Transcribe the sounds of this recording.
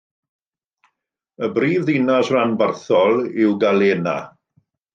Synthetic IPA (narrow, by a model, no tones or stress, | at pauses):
əbriːvðinasranbarθɔlˠɪwɡaleːna̰